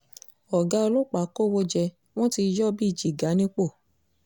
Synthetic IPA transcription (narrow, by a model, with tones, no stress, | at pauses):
ɔ˨ɡa˨˧o˧lo˦˨k͡pa˨˦ko˦˨wo˧d͡ʒɛ˧ | w̃ɔ̃˦ti˧d͡ʒɔ˦bi˦i˦˨d͡ʒi˨ɡa˨˦nĩ˦k͡po˦˨